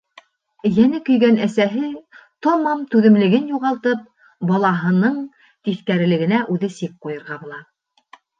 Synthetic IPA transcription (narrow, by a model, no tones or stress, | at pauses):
jænɘkɵ̆jɡænæsæɦɘt̪omɑmt̪ʉðɘ̆mlɘ̆ɡɘnjuʁɑlˠt̪ɤp̚ | bɑlˠɑɦɤ̆nɤɴ | t̪iθkæɾɘ̆lɘ̆ɡɘ̆næʔʉðɘsik̚qujɤ̆ɾʁɑbŭlˠɑ